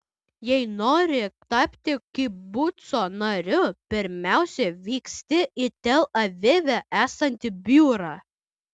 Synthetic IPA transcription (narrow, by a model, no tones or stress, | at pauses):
jɛɪnoːɾʲɪt̪ɑpʲt̪ʲɪkʲɪbʊt̪soːnɐɾʲʊpʲɪɾʲmʲæˑʊsʲɛʋʲiːksʲt̪ʲɪʔɪt̪ʲɛlˠɐʋʲɪʋʲɛʔæːsɐnʲt̪ʲɪbʲuːɾɑː